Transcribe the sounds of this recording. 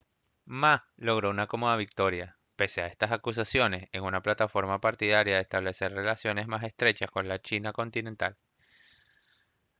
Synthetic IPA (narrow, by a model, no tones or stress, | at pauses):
malo̞ɣɾo̞unako̞mo̞ðaβik̚t̪o̞ɾja | pe̞seae̞st̪asakus̬asjo̞ne̞se̞ŋunaplat̪afo̞ɾmapaɾt̪iðaɾjaðest̪aβle̞se̞ɾre̞lasjo̞ne̞zmase̞st̪ɾe̞t͡ʃasko̞nlat͡ʃinako̞nt̪ine̞nt̪al